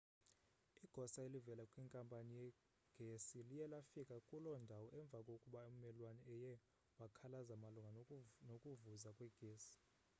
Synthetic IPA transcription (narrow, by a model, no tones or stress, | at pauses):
iɡ̥ʱɔsaelivɛlakʼwiŋkʼampʼanijɛ | ɡ̥ʱesilijɛlafikʼakʼulɔndʱawɔʔɛɱb̪vʱakʼokʼuɓaem̩mɛlwanɔɛjɛ | wakʰalazamaluŋɡʱanokʼuvuzakʼwɛɡ̥ʱeːsi̥